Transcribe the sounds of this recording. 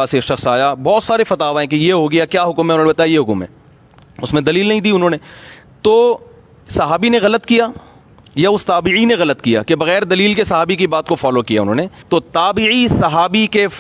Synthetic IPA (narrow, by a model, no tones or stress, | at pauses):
aːsekʃɐxsaːjabɔːt̪saːɾefɐt̪aːʋaɦɛ̃kejeɦoɡɐjakjaːɦʊkmɦɛ̃ʊnɦõnebɐt̪aːjajeɦʊkəmɦɛ̰̃ː | ʊsmẽd̪ɐliːlnɐɦĩd̪iːʊnɦõːne | t̪oː | sɐɦaːbineɣɐlət̪kijaː | jaʊst̪aːbɪʕineɣɐlət̪kija̰ːkebɐɣɛːɾd̪ɐliːlkesɐɦaːbikibaːt̪kofɔːloːkijaʊ̰nɦõːnet̪oːt̪aːbiisɐɦaːbike